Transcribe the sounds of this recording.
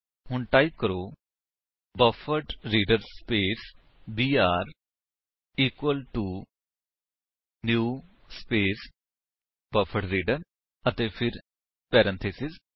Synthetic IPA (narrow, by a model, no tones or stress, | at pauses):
ɦʊɳʈaːip̚kəɾoː | bəfʰəʈɾiːɖəɾspeːs | biːaːɾ | iːkwəlʈuː | njuː | speːs | bəfʰəʈɾiːɖəɾ | ət̪eːpʰɪɾ | pɛːɾə̃nt̪ʰeːsɪz